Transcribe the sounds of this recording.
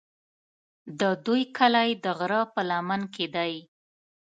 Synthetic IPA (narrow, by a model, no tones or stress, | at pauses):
d̪əd̪ujkʰəlajd̪əɣɾɑpəlamanked̪aj